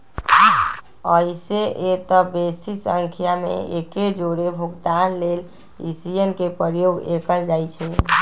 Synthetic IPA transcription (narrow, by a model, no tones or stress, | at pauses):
əiseʔet̪əbesisə̃ŋkʰjamḛeked͡ʒoɾebʱuɡt̪anlel | ḭsijenkepəɾjoɡḛkəld͡ʒajt͡ʃʰɛ